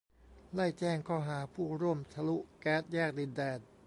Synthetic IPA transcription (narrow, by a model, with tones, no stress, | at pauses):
la˥˩jt͡ɕɛː˥˩ŋkʰɔː˥˩ɦaː˩˦pʰuː˥˩ɾu˥˩əmt̪ʰa˧lu˦˥ʔkɛː˦˥t̪̚jaː˥˩k̚di˧ndɛː˧n